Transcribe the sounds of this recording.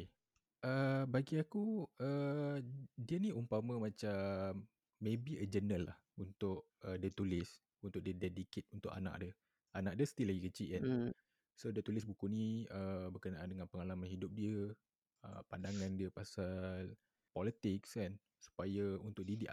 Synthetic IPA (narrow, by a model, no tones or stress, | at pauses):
ʔəbaɡiakuə | diəniumpamə̃mãt͡ʃamː | ẽbiəd͡ʒənəlːa̰h | unt̪ʊʔ | ədət̪ulɪs | unt̪ʊʔ̚diədɛdiket̪̚unt̪ʊ̰ʔa̰na̰ʔ̚də | anaʔ̚dəst̪ilaɡikət͡ʃiʔan | sodiət̪ulɪs̬bukuniəbərkənaʔandəŋanpəŋalamanhidʊp̚diə | ə̰pandaŋãndiəpasal | pɔlit̪ɪksan | su̥pajəunt̪ʊk̚didiʔ